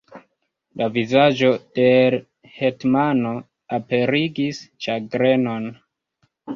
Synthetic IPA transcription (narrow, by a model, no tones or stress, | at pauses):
lavizad͡ʒo̞del | hetmano̞ | ape̞ɾiɡist͡ʃaɡɾe̞no̞n